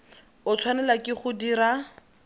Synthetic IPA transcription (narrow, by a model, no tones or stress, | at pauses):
ʊt͡sʰwanɛlakɪχʊdiɾa